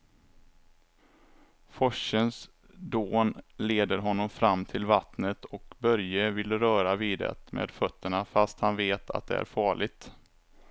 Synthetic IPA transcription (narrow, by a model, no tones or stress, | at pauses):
fɔʂəns | d̪oːnleːd̪əɾɦɔnːɔmfɾamːt̪ʰɪlvat̪nət̪ʰɔkbœɾjəvɪlːɾœːɾaviːd̪ɛ̰t̪mḛːd̪̥fœt̪ːəɳafast̪hanveːt̪ʰa̰t̪̚d̪ɛ̰ʔæ̰ɾfɑːɭɪɡ̚t̪